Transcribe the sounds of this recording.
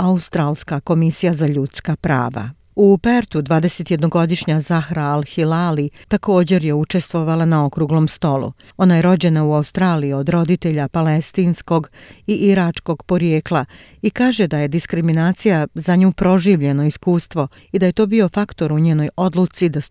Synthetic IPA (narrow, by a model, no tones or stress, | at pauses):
aust̪ɾaːlˠskako̞misijazaʎut̪skapɾa̰ːʋa̰ | upeɾt̪ud̪ʋaːd̪e̞set̪jed̪no̞ɡo̞d̪iʃɲazaxɾaːlxilalit̪ako̞ːd͡ʑe̞ɾjeut͡ʃe̞st̪ʋo̞ʋalˠanao̞kɾuːɡlo̞mst̪o̞lˠṵ | o̞najeɾo̞d͡ʑe̞nauaust̪ɾaːliio̞d̪ɾo̞d̪it̪e̞ʎapale̞st̪iːnsko̞ɡiʔiɾat͡ʃko̞ɡpo̞ɾjeːklˠa | ikaːʒe̞d̪aje̞d̪iskɾiminaːt̪sijazaɲuːpɾo̞ʒiːʋʎe̞no̞iskuːst̪ʋo̞ | id̪aje̞t̪o̞ːbio̞fakt̪o̞ɾuɲeːno̞jo̞d̪lˠut̪sid̪a